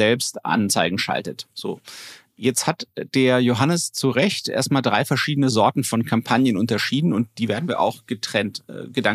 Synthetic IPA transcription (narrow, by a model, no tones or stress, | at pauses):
ɛlpstʔa̰nt͡saɪɡŋ̩ʃa̰ltətz̥o̰ː | jɛt͡sthatd̥eːɐjoɦanəst͡suʁɛçtʔḛɐstmaːldʁaɪfɛɐʃiːdənəzɔɐtn̩fɔnkʰampʰanjənʔʊntɐʃiːdn̩ʊnt̚d̥iːveːɐdn̩viːɐʔa̰ʊxɡ̥ətʁ̥ɛntɛ̰ːɡədaŋ